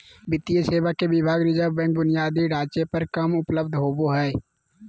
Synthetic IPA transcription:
bɪt̪ːijeseːwakebɪbʱaːɡɾɪd͡ʒəbɛ̃ːk̚bʊnɪjaːd̪iɖaːt͡ʃepəɾkɐmʊpləb̚d̪ʱɦoːboɦɛː

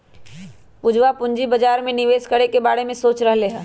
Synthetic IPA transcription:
pʊd͡ʒʋapʊ̃ɲd͡ʒibɐd͡ʒaːɾmẽnɪʋeːskəɽekebaːɽemẽsoːt͡ʃɾɐɦleːɦɛː

